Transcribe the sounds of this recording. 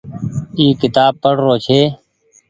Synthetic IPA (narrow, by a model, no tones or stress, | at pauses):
iːkɪt̪aːb̚pəɽɾoːt͡ʃʰeː